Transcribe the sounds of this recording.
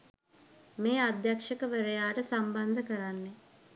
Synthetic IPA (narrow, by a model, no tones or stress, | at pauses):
meːad̪jakʂəkəʋəɾejaːʈəsamband̪əkəɾanːe